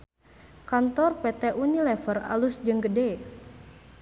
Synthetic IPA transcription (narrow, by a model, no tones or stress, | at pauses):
kant̪ɔrpɛt̪ɛʔunilɛfəra̰lusd͡ʒɨŋɡədɛ